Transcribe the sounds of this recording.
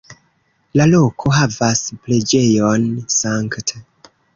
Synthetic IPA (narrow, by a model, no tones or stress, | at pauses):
lalo̞kʰo̞ɦavasple̞d͡ʒe̞jonsaŋkte